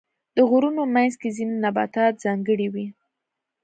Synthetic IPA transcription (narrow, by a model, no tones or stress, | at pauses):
d̪̥əɣuɾunomajnzkezinonabɑ̰t̪ɑt̪̚zɑŋɡəɽiwi